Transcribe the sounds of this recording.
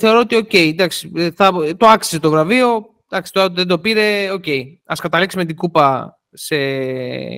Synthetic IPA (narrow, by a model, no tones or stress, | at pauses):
θe̞o̞ɾo̞ot̪io̞ce̞id̪ɐksi̥θɐt̪oɐksi̥set̪ovɾɐvio̞ | d̪̥ɐksi̥t̪ot̪ðend̪opiɾe̞o̞ce̞i | ɐskɐt̪ɐliksime̞t̪̬iɡupɐ | se̞